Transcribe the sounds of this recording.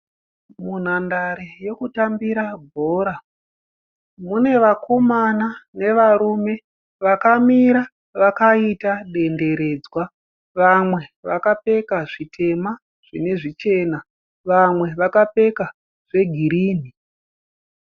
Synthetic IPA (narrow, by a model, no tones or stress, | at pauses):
mun̤andaɾejo̞kutambiɾabʱoːɾa | mune̞ʋakʰo̞manane̞ʋaɾume̞ | ʋakamiɾa | ʋakaitaɗe̞nde̞ɾe̞d͡zwa | ʋamwe̞ʋakape̞kaʐitʰe̞ma | ʐ̥ine̞ʐit͡ʃe̞ːna | ʋamwe̞ʋakape̞ka | ʐ̥e̞ɡʱiɾiːni